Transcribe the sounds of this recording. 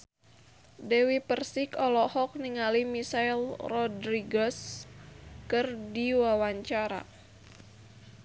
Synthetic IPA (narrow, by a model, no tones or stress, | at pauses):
dɛwipərsikɔlɔhɔk̚niŋalimisailrɔdɾiɡɔs | kɨrdiwawaɲt͡ʃaɾa̰